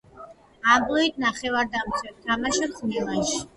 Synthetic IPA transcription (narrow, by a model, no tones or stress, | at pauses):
ambʼlˠɔit̪̚naχɛvaɾd̪amsɛɾt̪ʰamaʃatχnɛlˠanʃ